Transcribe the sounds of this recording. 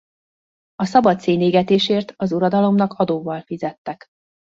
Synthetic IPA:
ɒsɒbɒt̪seːneːɡɛt̪eːʃeːrt̪ɒzuɾɒd̪ɒlo̞mnɒkɒd̪oːvɒlfizɛt̪ːɛk

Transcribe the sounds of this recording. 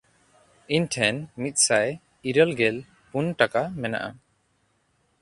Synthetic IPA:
iɲʈʰɛnmit̪̚ˀsaj | iɾəlɡɛl | punʈakamɛna̰ʔa̰

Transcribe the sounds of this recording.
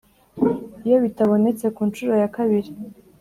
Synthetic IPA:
jawitʰawonet͡sʰakʰunʈ͡ʂʰuɾajakʰaβiɾ

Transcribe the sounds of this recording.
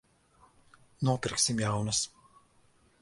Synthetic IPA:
nuɔpʲɪɾksʲimjawnɐs

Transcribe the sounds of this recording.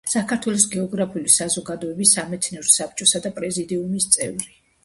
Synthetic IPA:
sakʰaɾt̪ʰwɛlˠɔs̬ɡɛɔɡɾapʰiulisazɔɡad̪ɔɛbisːamɛt̪sʰnɛɾɔsap̚ʰt͡ʃʼɔsad̪apʼɾɛzid̪iumist̪sʼɛ̰vɾi

